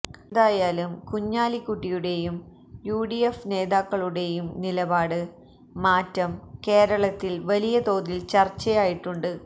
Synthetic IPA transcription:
kðaːjaːlumkuɲːaːlikːuʈːijuɽe̞jum | juːɽijefne̞ːðaːkːɐɭuɽe̞jumnilɐbaːɽɨ | maːtːɐmke̞ːɾɐɭɐt̪ːilʋɐlijɐt̪o̞ːðilt͡ɕɐrt͡ɕːɐjaːjiʈːuɳɖɨ

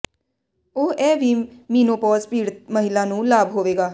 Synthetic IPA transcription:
oːʔɛːʋiːmiːnoːpɔːzpiːɽt̪məɦɪlãːnũːlaːbɦoːʋeːɡaː

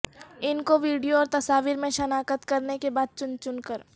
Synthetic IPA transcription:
ɪnkoʋiːɖijoɔːɾt̪ɐsaːʋiɾmẽʃɐnaːkət̪kɐɾnekebaːd̪̚t͡ʃʊnt͡ʃʊnkəɾ

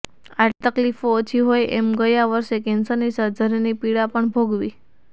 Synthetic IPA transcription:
aʈt̪əklifoːt͡ʃʰiɦojʔḛmɡəjaʋəɾʃekensənisəɾd͡ʒʱəɾenipiɽapəɳbʱoɡʋi

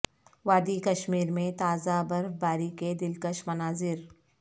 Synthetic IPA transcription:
ʋaːd̪ikɐʃmiːɾmẽt̪aːzabɐɾfbaːɾiked̪ɪlkəʃmɐnaːzɪɾ

